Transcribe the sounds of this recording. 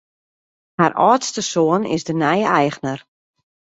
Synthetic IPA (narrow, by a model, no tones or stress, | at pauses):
harʔɔːtstəsoənɪ̰zdənɛjəɛjɣnər